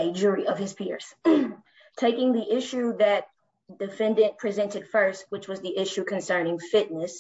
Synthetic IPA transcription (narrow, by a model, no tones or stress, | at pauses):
ɨd͡ʒʊɹiʔʌv̥ɨz̥pʰɪɹz̥ | tʰeɪkɪ̃ŋðiʔɪʃʉðɨt̚ | d̥ɨfɛ̃ndɨ̃npʰɹ̥izɛ̃ntɨd̥fɜ˞st̚wət͡ʃwʌzðiʔɪʃʉkʰɨ̃nsɜ̃˞nɪ̃ŋfɪtⁿnɨs